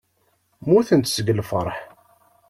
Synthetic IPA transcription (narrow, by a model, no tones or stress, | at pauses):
muθənt̪səɡlfəɾˤħ